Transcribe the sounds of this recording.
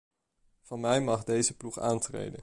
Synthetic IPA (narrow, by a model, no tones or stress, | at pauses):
v̥ɑnmɛjmɑχdejzəpluχa̰ːntrḛjdə̰n